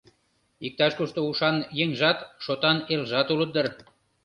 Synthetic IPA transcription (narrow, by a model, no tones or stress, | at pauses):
ik̚t̪ɑʃkuʃt̪ouʃɑnjəŋʲʒɑt̪ʃot̪ɑnelʒɑt̪ulət̪̚ːər